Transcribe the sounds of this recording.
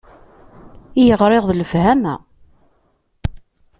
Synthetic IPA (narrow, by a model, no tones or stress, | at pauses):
ijəʁɾɪʁðˤləfhæmæ̰